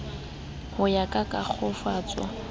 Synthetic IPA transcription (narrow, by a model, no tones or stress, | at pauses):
hʊjakʼakʼak͡xʰʊfaːt͡sʼwa̰